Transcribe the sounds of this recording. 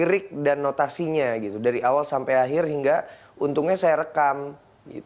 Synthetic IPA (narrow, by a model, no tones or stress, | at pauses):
iɾɪk̚danːot̪asiɲaɡit̪udaɾiʔawalsampajaɦɪrɦiŋɡa | unt̪ʊŋɲasajaɾəkam | ɡḭt̪